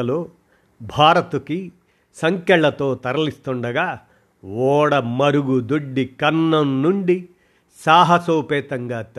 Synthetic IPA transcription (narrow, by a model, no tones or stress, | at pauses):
ɐloː | bʱaːɾɐt̪uki | sɐŋkɛɭːɐt̪o̞ːt̪ɐɾɐlist̪ɔɳɖɐɡaː | wɔːɽɐmɐɾuɡud̪oɖːikɐnːɐnnuɳɖi | saːɦɐsoːpɛːt̪ɐŋɡat̪